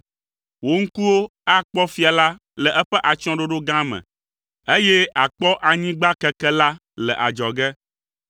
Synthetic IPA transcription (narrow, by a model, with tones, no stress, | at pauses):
wo˦ŋ̩˦ku˦wo˦a˦k͡pɔ˦fi˦a˨la˦ | lɛ˨ʔɛ˦ɸɛ˦ʔa˨t͡ʃɔ̃˦ɖo˦ɖo˦ɡã˦mɛ̰̃˨ | e˦jɛ˦a˨k͡pɔ˦ʔa˨ɲĩ˦ɡ͡ba˦kɛ˦kɛ˦la˦ | lɛ˨ʔa˨d͡ʒɔ˨ɡɛ˦